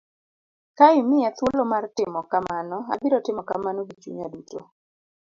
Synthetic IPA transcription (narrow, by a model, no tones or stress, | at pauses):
kaɪmɪat̪wolomartɪmɔkamanɔa̰biɾɔtɪmɔkamanoɡit͡ʃṵɲaduto